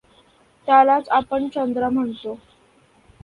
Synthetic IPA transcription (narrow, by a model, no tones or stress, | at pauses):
t̪jalat͡sapəɳt͡ɕənd̪ɾəm̤əɳt̪o